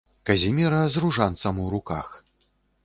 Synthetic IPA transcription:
kɐzʲimʲiɾɐzruʐant̪sɐmuwɾuka̰x

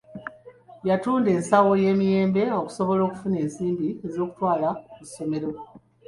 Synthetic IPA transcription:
jatuːnde̞ːnsawo̞je̞ːmije̞ːmbe̞o̞ku̥so̞βo̞lo̞ːku̥fune̞ːnsiːmbie̞zo̞ːku̥twaːlakusːo̞me̞ɾo̞

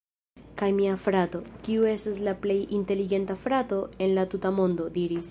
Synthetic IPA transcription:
kajmiafɾato̞kiue̞staslaple̞jinte̞liɡe̞ntafɾato̞e̞nlatutamo̞ndo̞diɾis

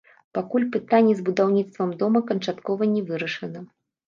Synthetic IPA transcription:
pakulʲpɨt̪anʲːɛzbud̪awnʲit̪st̪vɐmd̪ɔmɐkɐnt͡ʂat̪kɔvɐnʲɛvɨɾɐʂɐnɐ

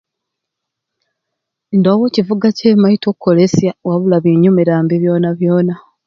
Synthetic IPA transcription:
ndowocivuɡace̞ːmaitokːo̞le̞sjawaβulaβiɲumiɾaːmbiβjo̞ːnaβjo̞ːna

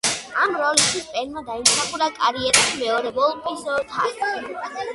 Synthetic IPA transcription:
amɾɔlist̪ʰispʼɛnmad̪aimsaχuɾakʼaɾiɛɾaʃimɛɔɾɛvɔlˠpʰʼisɔt̪ʰa̰st̪i

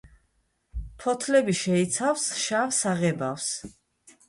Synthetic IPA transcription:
pʰɔt̪ʰlɛbiʃɛit̪sʰafsʃavsaʁɛbafs

